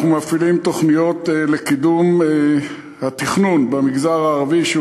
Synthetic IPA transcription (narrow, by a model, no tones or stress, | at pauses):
numafilimt̪o̞χnijo̞t̪elekid̪um | hat̪iχnunbamiɡzaʁaːʁaviʃe